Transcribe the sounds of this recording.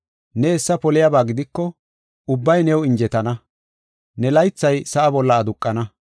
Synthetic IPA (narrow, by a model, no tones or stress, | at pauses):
nɛːsːɐpɔlɪjabaːɡɪd̪ɪkːɔ | ʊbːɐjnɛwɪnd͡ʒɛt̪ɐnɐ | nɛlɐjt͡sːɐjsɐʔɐbɔlːɐːd̪ʊkʼːɐnɐ